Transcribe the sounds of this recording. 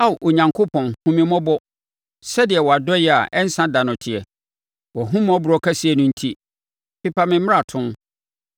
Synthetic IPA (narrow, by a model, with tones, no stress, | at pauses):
a˦wʔo˨ɲã˨ŋkʰʊ˦pʰɔ̃˨nhũ˦mɪ̃˦mɔ̃˦bɔ˦ | sɛ˦dɪ˨ɛ˨wɔ˨a˨dɔ˦jɛ˦a̰˨ʔɛ˦n̩˦sã˦da˨nʊ̃˨tʰɪ˨ɛ˨ | wɔ˨ɦũ˦m˦ɔ̃˦bʊ˨ɾɔ˦kʰa˦si˦ɛ˨nʊ̃˦n̩˦tʰi˦ | pʰi˦pʰa˦mɪ̃˦mɪ̃˦a˨tʰʊ̃˦n